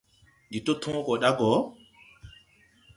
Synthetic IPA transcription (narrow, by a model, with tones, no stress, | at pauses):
ndi˨to˦tʰɔ̃ː˦kɔ˨ɗa˦ɡɔ˨˦